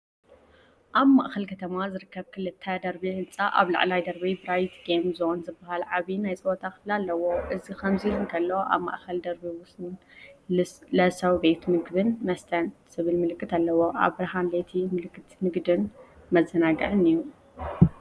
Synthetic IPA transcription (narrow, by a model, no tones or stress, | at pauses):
ʔaβmaʔxɐlkʰɐt̪ʰɐmazɨɾɨkːɐβkʰɨlɨt̪ʰːɐd̪ɐɾbiʕɨnt͡sʼaʔa̰βla̰ʕlajd̪ɐɾbibɾajt̪ɡemzonzɨbːahalʕaβinajt͡sʼɨbot̪ʰakʰɨflalːɐwo̞ʔɨzikʰɐmzilunkʰɐlːoʔa̰βma̰ʔxɐld̪ɐɾbiwʊsn | lɐsɐwbe̞t̪mɨɡbɨnmɐst̪ʰɐnsɨβɨlmɨlɨkʰʼːɨt̪alːɐwo̞ʔa̰βɾɐɦanlet̪ʰimɨlɨkʰʼːɨt̪mɨɡd̪ɨnmɐzːɐnaɡɐʕɨniju